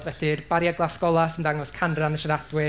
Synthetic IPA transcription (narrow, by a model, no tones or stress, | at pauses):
dvɛɬirb̥aɾjaɡlˠaskɔlˠasəndaŋɔskʰanranəʃaɾad̥wɪ